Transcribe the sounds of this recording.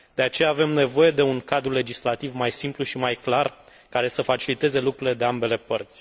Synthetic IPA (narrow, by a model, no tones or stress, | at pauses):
d̪̥e̞at͡ʃe̞jaːve̞mne̞vo̞je̞d̪e̞uŋkad̪ɾule̞d͡ʒislat̪ivmajsimpluʃimajklar | kaɾe̞səfat͡ʃilit̪e̞ze̞lukɾuɾile̞d̪e̞ambe̞le̞pərt̪sʲ